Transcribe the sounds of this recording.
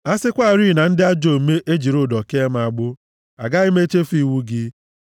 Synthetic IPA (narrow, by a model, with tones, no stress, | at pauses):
a˦sɪ˦kʷa˦˨ɾi˦˨na˨n̩˦dɪ˦a˦d͡ʒo˨me˦ʔe˦d͡ʒi˨ɾʊ˦˨dɔ˨ke˦m˦a˨ɡ͡bʊ˦ | a˨ɡa˦i˦me˦t͡ʃe˦fi˦˨wu˦ɡɪ˦